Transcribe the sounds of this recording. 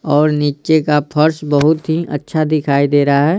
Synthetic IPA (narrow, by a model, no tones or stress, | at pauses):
ɔːɾniːt͡ʃekapʰɐɾsbɐɦʊt̪ɦiʔɐ̰tːʃʰad̪ɪkʰaːid̪eːɾaɦɛː